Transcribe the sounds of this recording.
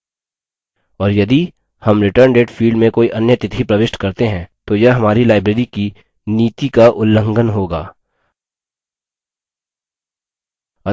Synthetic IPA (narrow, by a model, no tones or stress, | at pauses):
ɔːɾjɐd̪i | hɐmɾɪʈəɾɳɖeːʈfʰiːɖmẽkoːiʔɐnjət̪ɪt̪ʰipɾɐʋɪʃʈkɐɾt̪eɦɛ̃ːt̪ojɐɦɐmaːɾilaːɪbɾeːɾiki | niːt̪ikaʔʊlːə̃ŋɡənɦoːɡa̰ː | ɐ